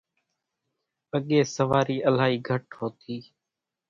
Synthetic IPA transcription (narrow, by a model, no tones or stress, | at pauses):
əɠeːsəʋaːɾiːʔəlaːɦiːɡʱəʈɦoːt̪ʰiː